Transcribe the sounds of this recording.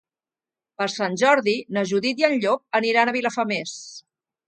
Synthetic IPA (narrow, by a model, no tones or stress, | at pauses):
pəɾsanʲʒɔɾðinəʒuðit̪iənʎok̚əniɾanəβiləfəmes